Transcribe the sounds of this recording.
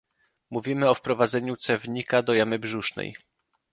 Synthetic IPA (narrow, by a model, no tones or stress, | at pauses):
muvʲimɘɔfpɾɔvad̪zɛɲut̪sɛvɲikad̪ɔjamɘbʐuʂnɛ̰j